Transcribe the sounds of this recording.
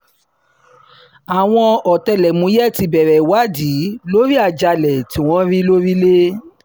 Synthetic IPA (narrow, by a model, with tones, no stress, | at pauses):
a˨w̃ɔ̃˧ɔ˨tɛ˧lɛ˨mũ˨˦jɛ˦˨ti˧bɛ˨ɾɛ˨wa˨˦di˨˦lo˦ɾi˦a˧˨d͡ʒa˧lɛ˨tĩ˨˦w̃ɔ̃˦ɾi˦lo˦ɾi˦le˦